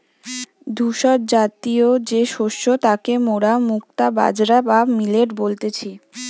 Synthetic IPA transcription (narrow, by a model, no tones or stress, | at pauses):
d̪ʱuʃɔɾ̚d͡ʑat̪iod͡ʑeʃoʃːot̪akemoɽamuk̚t̪aba̰d͡ʑɾabamileʈbolt̪et͡ɕʰi